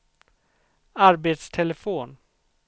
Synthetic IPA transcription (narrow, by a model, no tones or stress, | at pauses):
aɾbet̪st̪ʰɛləfoːn